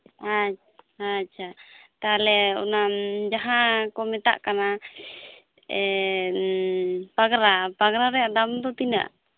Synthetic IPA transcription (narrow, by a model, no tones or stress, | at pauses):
a | at͡ʃʰat̪alɛɔ̰namd͡ʒaɦãkɔmɛt̪a̰ʔkana | ɛ | paɡɾapaɡɾaɾɛad̪amd̪ɔt̪ina̰ʔ